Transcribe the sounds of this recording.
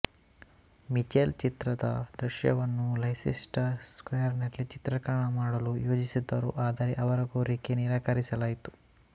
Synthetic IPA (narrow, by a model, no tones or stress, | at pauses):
mit͡ʃeːlt͡ʃit̪ɾɐd̪ɐ̰d̪ɾiʃjɐ̰ʋɐnːulɐjsḭsʈɐskojɐɾnɐɾlːit͡ʃit̪ɾɐkɐɾɐɳɐmaːɽɐlujoːd͡ʒisid̪ːɐɾṵʔaːd̪ɐɾeʔɐʋɐɾɐɡuːɾiːkeniːɾaːkɐɾisɐlaːjit̪u̥